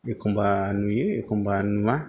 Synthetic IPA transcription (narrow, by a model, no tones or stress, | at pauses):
ekumbanujeekombanua